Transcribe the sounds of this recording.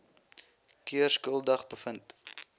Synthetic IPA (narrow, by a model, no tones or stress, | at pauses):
kiərskuəlˠdɐχbəfənt